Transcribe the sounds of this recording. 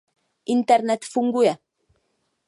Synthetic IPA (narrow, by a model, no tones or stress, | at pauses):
ʔint̪aɾnɛt̪fuŋɡuja